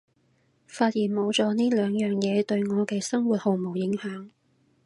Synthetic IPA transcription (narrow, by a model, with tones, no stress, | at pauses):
faː˧t̚jiː˨˩nmo˨˧wt͡sɔː˧niː˥lœː˨˧ŋjœː˨ŋjɛː˨˧t̪ɵ˧ɥŋɔː˨˧kɛː˧sɐ˥ŋwuː˨˩t̚ho˨˧wmo˨˩wjɪ˨˥ŋhœː˨˥ŋ